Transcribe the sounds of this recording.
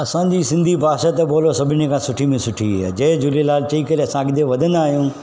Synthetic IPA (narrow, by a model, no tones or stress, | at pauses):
ɐsãd͡ʑisɪ̃nd̪ʱipaːʃət̪eboːlosɐbʱɪnẽkʰãsʊʈʰimẽsʊʈʰiʋa̰ːd͡ʑɐ̃ɦẽd͡ʑʊlelaːlt͡ɕɐikɐɾeɐsãɐɡɪd̪eʋɐd̪ʱə̃nd̪aːɦijũː